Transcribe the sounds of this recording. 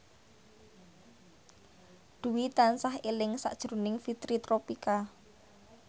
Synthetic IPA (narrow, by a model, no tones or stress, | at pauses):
ɖ̪̥uwit̪ansaɦelɪŋsa̰ʔd̥ʒ̥ɾunɪŋfit̪ɾit̪ɾopika